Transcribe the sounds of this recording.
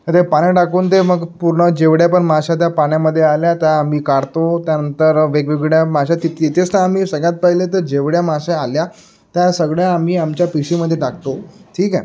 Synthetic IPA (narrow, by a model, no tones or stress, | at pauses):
ət̪epaɽ̃eʈakuːnt̪eməɡpuɾɳəd͡ʑeʋɽjapəɳmaɕat̪̬japaɳ̃jaməd̪ʱːjealjat̪jaːm̤iːkaɽt̪ot̪janənt̪əɾʋeɡʋiɡɽjamaɕat̪iit̪ʰest̪aam̤iːsəɡɭjat̪̚pəɦilet̪̬əɾd͡ʑeʋɽjamaɕealja | t̪jasəɡɭjaːm̤iːamt͡ɕjapiɕiməd̪ʱːjeʈakt̪oʈʰiːkɛ